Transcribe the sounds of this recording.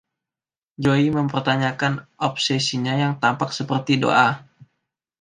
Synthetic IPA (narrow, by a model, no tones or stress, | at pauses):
d͡ʒoiməmpərt̪aɲakanʔɔp̚sɛsiɲajaŋt̪ampaksəpərt̪ido̰ʔa